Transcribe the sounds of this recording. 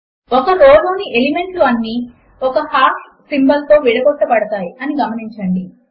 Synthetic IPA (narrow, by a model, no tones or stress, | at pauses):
ɔkɐɾoːloːniʔelime̞ɳʈluɐnːi | ɔkɐhaːʈ | simbɐlt̪o̞ːʋiɽɐɡɔʈːɐpɐɽɐt̪aːjiɐniɡɐmɐniɲt͡ʃɐɳɖi